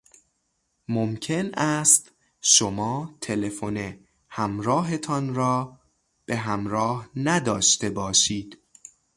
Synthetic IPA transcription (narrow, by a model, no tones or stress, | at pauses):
momcʰe̞næst̪ | ʃomɒːt̪ʰe̞le̞fone | hæmɾɒːɦe̞t̪ʰɒnɾɒː | b̥eɦæmɾɒːhnæd̪ɒːʃt̪e̞bɒːʃiːd̪̥